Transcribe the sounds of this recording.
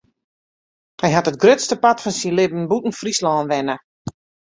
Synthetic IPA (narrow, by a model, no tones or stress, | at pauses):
hɛjɦatət̚ɡrøtstəpatfɔnsilɪbən̩butn̩frislɔːnʋɛnə